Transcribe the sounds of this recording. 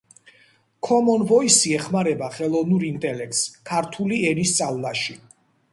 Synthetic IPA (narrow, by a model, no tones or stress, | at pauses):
kʰɔmɔnvɔisiɛχmaɾɛbaχɛlˠɔvnuɾint̪ʼɛlɛk̚t̪skʰaɾt̪ʰuliɛnist̪sʼallaʃi